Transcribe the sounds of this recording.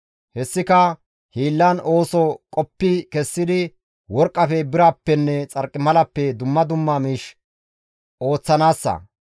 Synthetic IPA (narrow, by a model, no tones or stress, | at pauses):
hɛsːɪkɐ | hiːlːɐno̞ːsɔkʼɔpːɪkɛsːɪd̪ɪ | wɔɾkʼːɐfɛbɪɾaːpːɛnːɛt͡sʼɐɾkʼːɪmɐlɐpːɛd̪ʊmːɐd̪ʊmːamiːʃ | o̞ːt͡sːɐnaːsːɐ̰